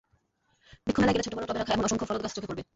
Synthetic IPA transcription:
bikʰːomalaɡeɾet͡ɕʰoʈobɔɾoɾɔbeɾakʰaɛbonɔʃoŋkʰofɔlot̪ɡat͡ɕʰt͡ɕokʰːekoɾbe

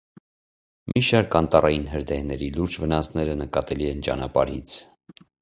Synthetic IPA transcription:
mʔiʃɑɾkɑnt̪ɑrɑjinɦəɾd̪ɛhnɛɾiluɾd͡ʒvənɑsnɛɾənəkɑt̪ɛliɛnt͡ʃɑ̰nɑpɑɾit͡sʰ

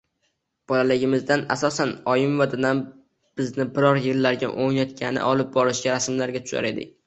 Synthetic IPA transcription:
b̥ɒlalɪɡʲɪmɪzd̪ana̰sɒsanɒjɪmvɒd̪ad̪an | b̥ɪznɪbɪɾɒɾjɪɾlːaɾɡʲa̰ʔoŋnjɒt̪kʲʰa̰nɪ̰ʔɒlˠɪp̚bɒɾɪʃɡʲaɾasmlaɾɡʲat̪ʰʊ̥ʃa̰ɾe̞d̪ɪ̰k̚ʲ

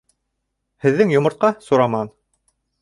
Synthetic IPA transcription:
hɘ̆ðːɘŋjŏmŏɾt̪̚qɑsŏɾɑmɑn

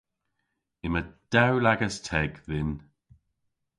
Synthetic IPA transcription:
ɪməd̥awlaɡəstʰɛɡðɪn

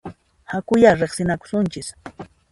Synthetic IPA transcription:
hakʊjaɾeχsɪnakʊ̥sʊnt͡ʃɪs

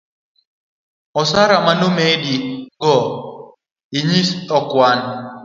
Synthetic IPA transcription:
ɔsaɾamanomediɡɔ | iɲisɔkwan

